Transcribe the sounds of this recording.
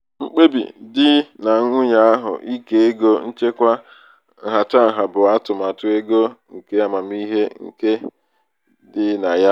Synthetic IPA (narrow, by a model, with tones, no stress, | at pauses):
ŋ͡m̩˦k͡pe˦bḭ˨dɪ˦na˨˦ŋʷʊ˦ɲa˦a˦ɦʊ̰˨ʔi˦ke˨e˦ɡo˦n̩˦t͡ʃe˦kʷa˦ | ŋ̩˨ɦa˨ta˦˨ɦa˨bʊ˨a˦tʊ˨m˨a˨tʊ˦e˦ɡo˦ŋ̩˨ke˦a˨ma˨m˦i˦ɦe˦ŋ̩̰˨ke˦ | dɪ˦na˨ja˦